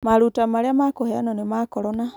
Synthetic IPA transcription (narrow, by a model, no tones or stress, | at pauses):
maɾutamaɾeamakohea̰nonemakoɾona